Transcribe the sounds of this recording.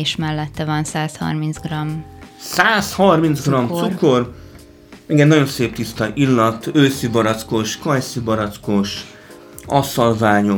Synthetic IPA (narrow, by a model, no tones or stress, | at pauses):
ʃmɛlːɛt̪ːɛvɒnsaːshɒ̰rminzɡrɒmsaːshɒrminzɡrɒmt̪suko̞r | ɛŋɡɛnːɒjo̞nseːp̚t̪ist̪ɒʔilːɒt̪øːsibɒɾɒt̪skoʃkɒjsibɒɾɒt̪skoʃ | ɒsɒlvaːɲo